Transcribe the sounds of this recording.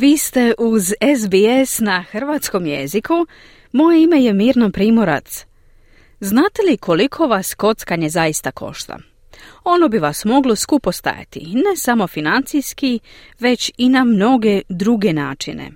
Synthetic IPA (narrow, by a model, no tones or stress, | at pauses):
ʋiːst̪e̞ʔuzezbiesnaxr̩ʋaːt̪sko̞mje̞̰zikʰu | mo̞jeime̞je̞miːɾnopɾiːmo̞ɾa̰t̪s | znaːt̪e̞likʰo̞likʰo̞ʋasko̞t̪skaɲezaist̪akʰo̞̰ʃt̪a̰ | o̞no̞biʋasmo̞ɡlo̞skupo̞st̪a̰ja̰t̪ḭne̞samo̞finant̪sijski | ʋe̞t͡ɕinamno̞ɡe̞d̪ɾuɡe̞naːt͡ʃinḛ